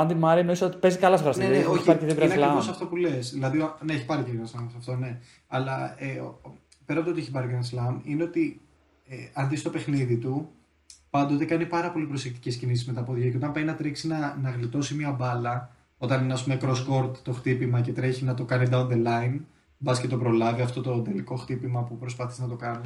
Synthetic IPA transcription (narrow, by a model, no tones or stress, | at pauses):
ɐnd̪imɐɾino̞isot̪i̥pe̞zikɐlɐsoɾɐsnneneoçiɐɾieðiɡɾeneɐlɐosɐft̪o̞pule̞sðilɐðineeçipɐɾiceðiɾɐslɐmsɐft̪o̞ne̞ | ɐlɐe | pe̞ɾɐpt̪oieçipɐɾikɾeɐnslɐmine̞ot̪i | eɐnðist̪o̞pe̞xniðit̪u | pɐnd̪o̞t̪e̞kɐnipɐɾɐpo̞lipɾo̞se̞kt̪i̥ce̞scinisizmet̪ɐpoðʝiceot̪ɐ̃mpeinɐt̪ɾeksinɐnɐɣlit̪o̞simiɐbɐlɐ | o̞t̪ɐnineɐs̬pumekɾo̞sko̞ɾt̪ːo̞xt̪ipimɐce̞t̪ɾe̞çinɐt̪o̞kɐnid̪ɐund̪elɐin | bɐsce̞t̪o̞pɾo̞lɐviɐft̪o̞t̪o̞nd̪eliko̞xt̪ipimɐpupɾo̞spɐθisnɐt̪o̞kɐni